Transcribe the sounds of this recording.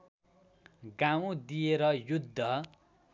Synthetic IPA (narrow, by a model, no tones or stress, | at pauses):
ɡaw̃d̪ijeɾʌjud̪ʱːʌ